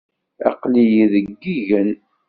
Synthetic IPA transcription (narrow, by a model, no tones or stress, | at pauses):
ɑ̰qlijiðəɡːiʝən